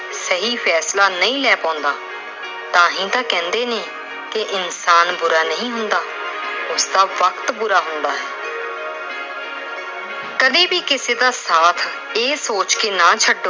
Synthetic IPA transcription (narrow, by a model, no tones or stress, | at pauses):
səɦiːpʰɛːslaːnəĩːlɛːpãːʊnd̪aː | t̪ãːɦĩːt̪ãːkɛ̃ːnd̪eːneː | keʔɪnsaːnbʊɾaːnəĩːɦʊnd̪aː | ʊsd̪aːʋəkt̪bʊɾaːɦʊnd̪aːɦɛː | kəd̪ẽːbiːkɪseːd̪aːsaːt̪ʰ | eːsoːt͡ʃkeːnaːt͡ʃʰəɖːo